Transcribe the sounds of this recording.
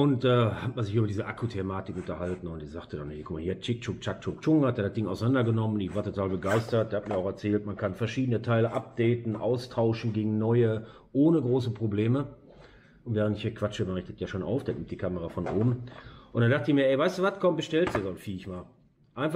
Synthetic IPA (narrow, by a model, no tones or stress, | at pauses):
ʔʊntd̥aːhatmanzɪçyːbɐdiːzəʔakʰutʰemaːtɪkʊntɐɦaltn̩ʊntd̥iːzaχtədanhiːɐkʰɔmahiːɐt͡ʃɪk̚t͡ʃʊkt͡ʃak̚t͡ʃʊk̚t͡ʃʊŋɐtd̥eːhat̚d̥ɪŋəaʊsanandɐɡənɔmən̩ɪçv̥aːɐtʰotʰaːlbəɡaɪstɐt̚d̥eːɐhat̚miːɐaʊxɛɐt͡sɛːltmankʰanfɛɐʃiːdən̩ətʰaɪləʔap̚d̥ɛɪtn̩ʔa̰ʊstʰaʊʃn̩ɡeːɡŋ̩nɔʏə | ʔoːnəɡʁoːsəpʁ̥obleːmə | ʔʊntv̥ɛːʁ̞əntɪçhiːɐkv̥at͡ʃəmaʁɪçtətjaːʃoːnʔa̰ʊfd̥anɪm̚td̥iːkʰaməʁafɔnʔoːbm̩ʔʊntd̥andaχtəɪçmiːɐʔɛɪvaɪstd̥uːvatkʰɔmbəʃtɛltzɛzɔnfiːɪçmaːl | ʔaɪnf